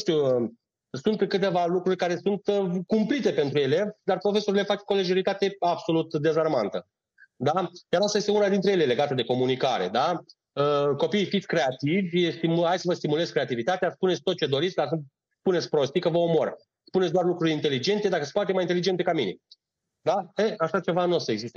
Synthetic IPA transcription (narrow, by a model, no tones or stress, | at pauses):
t̪uə | sunt̪kɨt̪e̞valukɾurʲkaɾe̞sunt̪kumplit̪e̞pe̞nt̪ɾujele̞d̪arpɾo̞fe̞so̞ɾile̞fat͡ʃko̞leʒeɾit̪at̪e̞abso̞lut̪d̪e̞zarmant̪ə | d̪ad̪jaɾast̪ajest̪unad̪int̪ɾejele̞le̞ɡat̪əd̪e̞ko̞munikaɾe̞d̪a | əko̞piːfit̪sʲkɾe̞at̪ivʲst̪imhajsəvəst̪imule̞zkɾe̞at̪ivit̪at̪easpunesʲt̪ot͡ʃe̞d̪o̞ɾit̪sʲd̪asu | spune̞t̪sʲpɾo̞st̪ikəvəomo̞̰r | spunetsʲd̪oarlukɾuɾʲint̪e̞lid͡ʒe̞nt̪e̞d̪akəspoat̪emajint̪elid͡ʒent̪e̞kamine̞̰ | d̪aeaʃat͡ʃe̞vanosəeɡzist̪e